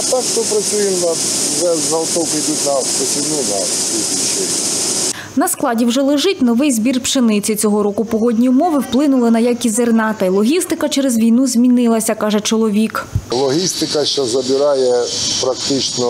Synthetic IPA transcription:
t̪akt̪ɔpɾɐsʲujɪmnɐʒɛzɐwt̪ɔkid̪ʲut̪nɐspɔsʲijnunɐt̪iit͡ʃɛ | nɐsklˠɑdʲiwʒɛlˠɪʒɪtʲnɔʋɪjzbʲirpʃenɪt͡sʲɪt͡sʲɔɦɔɾɔkʊpɔɦɔdʲnʲijʊmɔʋɪwplˠɪnʊlˠɪnɐjakʲizernɑt̪ɐilˠɔɦʲist̪ɪkɐt͡ʃɛɾɛzʋʲijnuzʲmʲinɪlˠɐsʲɐkɑʒɛt͡ʃɔlˠɔʋʲiklˠɔɦʲist̪ɪkɐʃt͡ʃɔzɐbʲɪɾɑjɛpɾɐkt̪ɪt͡ʃnɔ

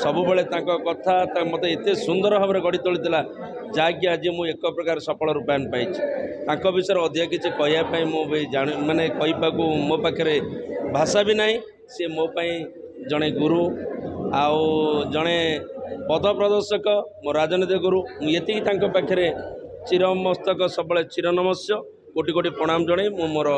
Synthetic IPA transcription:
sɔbubeɭet̪ãŋkɔkɔt̪ʰat̪amot̪eet̪esund̪ɔɾɔɦɔbɔɾeɡɔɽit̪oɭit̪ʰila | d͡ʒaɡjaːd͡ʒimũekɔpɾɔkaɾɔsɔpɔɭɔɾupajanupajt͡ʃʰi̥t̪ãŋkɔbisɔjɾɔɔd̪ʱijak̬it͡ʃʰikɔɦijapaĩmũbid͡ʒaɽ̃umanekɔɦipakumopakʰːjɔɾebʱasabinaɦĩ | semopaĩ | d͡ʒɔɽ̃eɡuɾu | awd͡ʒɔɽ̃ebɔd̪ʱɔpɾɔd̪ɔɾsɔkɔmoɾad͡ʒɔnid̪ɔɡuɾumũet̪ikit̪aŋkɔpakʰjɔɾet͡ʃiɾɔmɔst̪ɔk̬ɔsɔbɔɭet͡ʃiɾɔnɔmɔsjɔ | koʈikoʈipɾɔɽ̃amɔd͡ʒɔɽ̃emũmoɾɔ

